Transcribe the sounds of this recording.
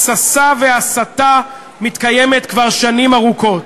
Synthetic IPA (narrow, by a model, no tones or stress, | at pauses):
sasaveasat̪a | mit̪kaje̞me̞t̪kvaʁʃanimaʁuko̞t